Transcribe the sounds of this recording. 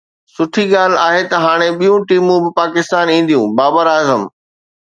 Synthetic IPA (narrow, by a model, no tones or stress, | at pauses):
sʊʈʰiɠaːl̤aːɦet̪ɐɦaːɽ̃eɓijũʈiːmũbɪpaːkɪst̪aːnĩːn̆d̪ijũbaːbəɾaːzəm